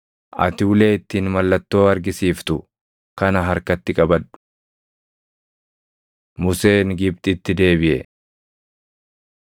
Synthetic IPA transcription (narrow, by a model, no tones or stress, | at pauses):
ʔɐ̰t̪ɪʊle̞ːɪt̪ːiːnmɐlːɐt̪ːo̞ːɐɾɡɪsiːft̪ʊ | kɐnɐɦɐɾkɐt̪ːɪkʼɐbɐᶑ̪ʊ̥ | mʊse̞ːnɡɪbt̪ʼɪt̪ːɪd̪e̞ːbɪʔɛ̰